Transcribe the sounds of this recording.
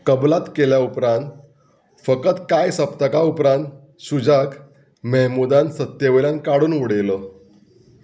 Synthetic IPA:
kəblat̪keljaupɾãnt̪ | fəkət̪kajsəp̚t̪əkaupɾãnt̪ | ɕud͡ʑak | mɛɦmud̪ansət̪jəʋeljãnkaɽuːnʋuɽejlɔ

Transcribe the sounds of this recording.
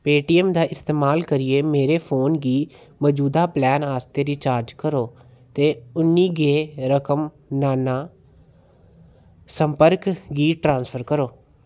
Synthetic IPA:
peːʈiːɛmd̪aːʔɪst̪eːmaːlkəɾɪeːmeːɾeːpʰoːnɡiːmɔd͡ʒuːd̪aːplɛːnaːst̪eːɾiːt͡ʃaːɾd͡ʒkəɾoː | t̪eːʊnːiːɡeːɾəkəm | naːnaː | səmpəɾkɡiːʈɾãːnspʰəɾkəɾoː

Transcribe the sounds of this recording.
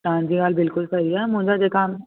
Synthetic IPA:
tãːnd͡ʒiɡaːlbɪlkʊlsɐɦiɦɛmʊ̃ːd͡ʒad͡ʒekam

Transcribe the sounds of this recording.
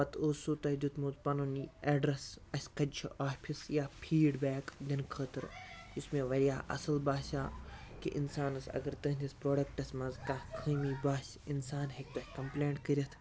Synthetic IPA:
pʋɐt̪ʰoːsuːt̪ɐd̪ut̪mut̪pɐnunieːɖɾɐsɐsʲkɐt͡ʃʰaːpʰisjaːpʰiːɖbɛːkd̪ʲɐnkʰəːt̪ɨɾismẽːʋɐɾjaːʔɐ̰sɐlbaːsaːkḭʔinsaːnɐsɐ̰ɡɐɾt̪ɐːɦnʲd̪ʲɐspɾoːɖɐk̚ʈɐsʲmɐzkaːkʰɨːmiːbaːsʲ | insaːnɦek̚t̪ɐhʲkɐmpleːɳʈkɐɾʲɐt̪ʰ

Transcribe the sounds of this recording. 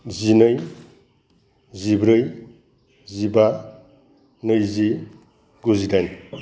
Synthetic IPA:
zinɯj | zibɾɯj | ziba | nɯjzi | ɡuzidajn

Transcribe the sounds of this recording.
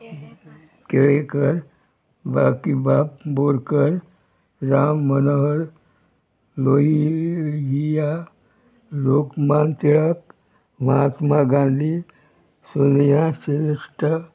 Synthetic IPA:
keɭekəɾ | bakibapboɾkəɾ | ɾaːmːənəɦəɾ | loɦiɡija | lokmant̪iɭək̚ | mat̪maɡãːnd̪i | sunjãseɾisʈ

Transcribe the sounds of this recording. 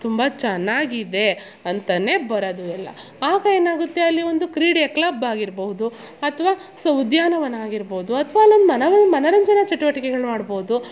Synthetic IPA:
t̪umbɐt͡ʃɛnːaːɡid̪e̞ | ɐnt̪ɐne̞ːbɐɾɐd̪uɛlːɐ̰ | aːɡɐe̞ːnaːɡut̪ːe̞ɐlːio̞nd̪ukɾiːɽjɐklɐbaːɡiɾboɦud̪u | ɐt̪ʰɐʋaː | sɐwd̪jaːnɐʋɐnːɐaːɡiɾboːud̪uɐt̪ʰɐʋaːlːiond̪umɐnɐʋɐnːmɐnɐɾɐɲd͡ʒɐnɐt͡ʃɐʈuʋɐʈikɛɡɐɭmaːɽboːud̪u

